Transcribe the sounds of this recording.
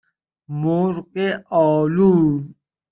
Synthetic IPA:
moɾqeʔɔːlu

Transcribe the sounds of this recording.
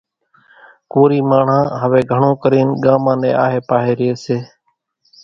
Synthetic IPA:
koːɾiːmaːɳ̤ãːɦəʋeːɡʱəɳõːkəɾeːnɠaːmãːnḛ̃ːa̰ːɦeːpaːɦeːɾɪjeːseː

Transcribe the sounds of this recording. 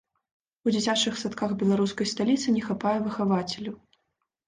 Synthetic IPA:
ud͡zʲit͡sʲat͡ʂɨxsat̪kaxbʲɛlˠaɾuskɐjst̪alʲit̪sɨnʲɛxapajɛvɨxavat͡sʲɛlʲu

